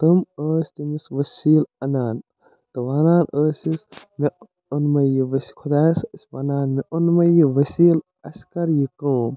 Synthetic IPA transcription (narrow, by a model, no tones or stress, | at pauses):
t̪ɐməːsʲt̪imisʋɐsiːlɐnaːn | t̪ɨʋaːnaːnəːsis | me | onmɐjiʋɐskʰod̪aːsɐsʲʋanaːnmeʔonmɐjiʋɐsiːl | ɐsʲkɐɾjikom